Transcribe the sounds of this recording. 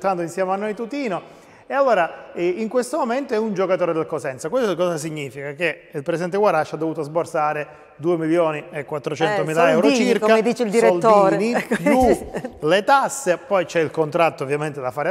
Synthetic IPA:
t̪and̪oinsjɛːmanːojt̪ut̪iːno | ealːoːɾaiŋkwest̪omoment̪oɛund͡ʒokat̪oːɾed̪elkosɛnt̪sakwesokɔːsas̬iɲːiːfikakeilpɾɛsid̪ɛnt̪̬eɡwaɾaʃːad̪ːovuːt̪ozborsaːɾe | d̪uːemiljoːniekːwat̪ːɾot͡ʃɛnt̪omiːlaɛwɾot͡ʃiɾkad̪iːt͡ʃild̪isɾeold̪ːoiːɾnisulet̪asːepɔjt͡ʃɛilkont̪ɾat̪ːoːvːjament̪ed̪afaːɾe

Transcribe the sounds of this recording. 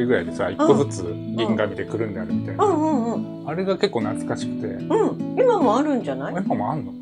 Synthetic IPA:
ɯɡɯ̟ɾaid̪esaikːozɨt͡sɨ | ɡʲĩŋɡamʲid̪e̞kɯ̟ɾɯ̟̃nd̪eaɾɯ̟mʲit̪ajnɯ̃ɯ̃ɴɯ̃ɴ | aɾe̞ɡake̞kːo̞ːnat͡sɨ̥kaɕi̥kɯ̟̥t̪e̞̰ɯ̟̃ɴimamo̞aɾɯ̟̃ɲd͡ʑanaiimamoanːo̞

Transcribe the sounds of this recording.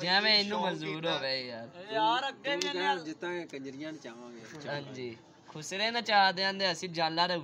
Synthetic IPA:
d͡ʒɛ̃ːmɛ̃ːɪnːũːməuːɾɦoːʋeːjaːɾː | d͡ʒɪt̪ːãːeːkəɲd͡ʒɾɪjãːnt͡ʃaːʋãːɡeːɦãɲd͡ʒiː | kʰʊsɾeːnət͡ʃaːd̪eãːnd̪eːəsĩːd͡ʒãːnlaːɾə

